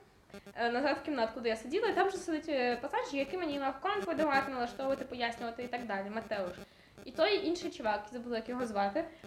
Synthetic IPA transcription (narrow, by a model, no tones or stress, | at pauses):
nɐzɑt̪kʲimnat̪kud̪ɪjasedʲilˠɐit̪amʒɛsed̪ɪtʲpɐsɑʒʲijɐkɪmenʲimɑwkɔnpɔʋɪd̪ɐʋɑt̪ɪnɐlˠɐʃt̪ɔʋʊʋɐt̪ɪpɔjasʲnʲʊʋɐt̪ɪit̪ɐɡd̪ɑlʲimɐt̪ɛʊʃ | it̪ɔjʔinʃɪjt͡ʃɪʋɑkizɐbʊlˠɪjkjɔɦɔzʋɑt̪ɪ